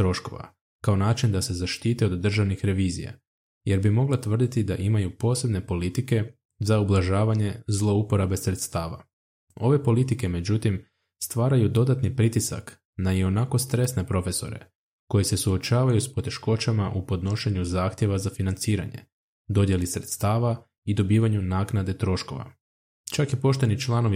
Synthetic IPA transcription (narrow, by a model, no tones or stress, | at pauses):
t̪ɾo̞ʃko̞̰ʋa̰ | kao̞naːt͡ʃind̪ase̞zaʃt̪iːt̪eo̞d̪ːr̩ʒaʋnixɾe̞ʋiːzḭja̰ | je̞ɾbimo̞ɡlˠat̪ʋər̩d̪it̪id̪aʔimajupo̞ːse̞bne̞po̞lit̪ike̞ | zaublˠaʒaːʋaɲe̞zlˠo̞upo̞ɾabe̞sɾe̞t̪st̪aːʋa̰ | o̞̰ʋe̞po̞lit̪ike̞me̞d͡ʑut̪im | st̪ʋaːɾajud̪o̞d̪at̪nipɾit̪isa̰k | najio̞nako̞st̪ɾe̞sne̞pɾo̞fe̞so̞̰ɾe̞̰ | ko̞jese̞suo̞t͡ɕaːʋajuspo̞t̪e̞ʃko̞t͡ɕamaʔupo̞d̪no̞ʃe̞ɲuzaːxt̪je̞ʋazafinant̪siːɾa̰ɲe̞̰ | d̪o̞d̪je̞lisɾe̞t̪st̪aːʋa | id̪o̞biːʋaɲunaːknad̪e̞t̪ɾo̞ʃko̞̰ʋa̰ | t͡ʃakipo̞ʃt̪enit͡ʃlˠano̞ʋ